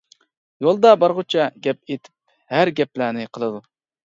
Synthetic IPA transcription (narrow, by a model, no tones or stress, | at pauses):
jolˠd̪ɑbɑɾʁʊt͡ʃʰɛɡʲɛp̚et̪ʰɪ̥p̚ | hæɾɡʲɛplæːnɪqʰəlˠɨd̪u